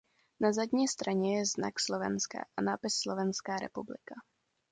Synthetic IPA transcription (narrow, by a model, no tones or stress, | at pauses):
nazadɲiːst̪ɾaɲɛjɛzna̰kslovɛ̰nska̰ːʔanaːpɪsːlovɛnskaːɾɛ̰publɪ̰ka